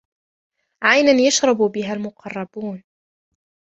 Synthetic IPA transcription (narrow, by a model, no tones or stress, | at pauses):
ʕajnanjaʃɾˤɑbbɪɦalmʊqʰɑrˤːɑbuːn